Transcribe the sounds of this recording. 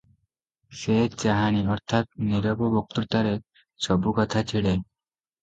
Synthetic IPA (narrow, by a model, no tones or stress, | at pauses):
set͡ʃaɦañiɔɾt̪ʰat̪̚niɾɔbobok̚t̪uɾt̪aɾe | sɔbukɔt̪ʰat͡ɕʰiɭe